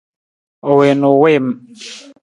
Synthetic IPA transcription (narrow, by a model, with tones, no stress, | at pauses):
o˨we˨no˨we˦˨m˨